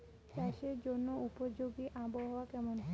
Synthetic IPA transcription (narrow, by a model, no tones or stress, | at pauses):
t͡ɕaʃeɾd͡ʑonːoupod͡ʑoɡiʔaboɦɔwakɛmon